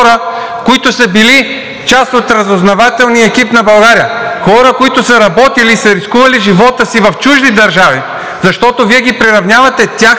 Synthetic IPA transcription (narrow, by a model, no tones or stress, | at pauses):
ɾə | koit̪ʊsɐbili | t͡ʃast̪ot̪ɾɐzoznɐvat̪ɛlˠniɛkipnɐbɐlˠɡaɾijəxɔɾəkoit̪ʊsɐɾɐbɔt̪iliːsɐɾiskuvɐliʒivɔt̪əsivɐft͡ʃuʒd̪id̪ɐɾʒavi | zɐʃt̪ɔt̪oviɛɡipɾiɾɐvnʲjavɐt̪ɛt̪ʲax